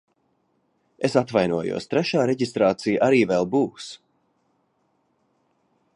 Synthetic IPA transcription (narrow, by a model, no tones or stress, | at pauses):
esat̪vajnuɔjṵɔst̪ɾɛʃaːɾɛɟist̪ɾaːt̪sijʔaɾiːvɛlˠbuːs